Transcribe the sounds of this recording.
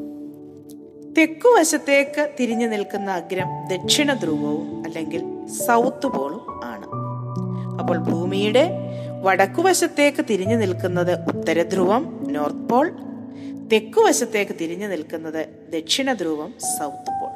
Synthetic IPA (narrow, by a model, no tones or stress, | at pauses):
t̪e̞kːuʋɐɕɐt̪ːe̞ːkːɨt̪iɾiɲːɨnilkunːɐːɡɾɐmd̪e̞kʂiɳɐd̪ruːbɐʋumɐlːe̞ŋɡilsɐwt̪ːɨbo̞ːɭuma̰ːɳɨ̰ | ɐpːo̞ːɭbʱuːmijuɽe̞ʋɐɽɐkːuʋɐɕɐt̪ːe̞ːkːɨt̪iɾiɲːɨnilkunːɐðɨʔut̪ːɐɾɐd̪ɾuʋɐmno̞ːrt̪po̞ːɭ | t̪e̞kːuʋɐɕɐt̪ːe̞ːkːɨt̪iɾiɲːɨnilkunːɐðɨ | d̪ekʂiɳɐd̪ɾuːbɐmsɐwt̪ːɨ̥po̞ːɭ